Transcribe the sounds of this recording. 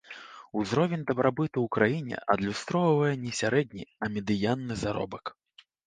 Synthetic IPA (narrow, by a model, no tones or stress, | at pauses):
uzɾɔvʲɛnʲd̪ɐbɾabɨt̪uwkɾajinʲɛ̰ʔɐd̪lʲust̪ɾɔvɐvɐjɛnʲɛsʲaɾɛd̪ʲnʲiɐmʲɛd̪ɨjanːɨzaɾɔ̰bɐk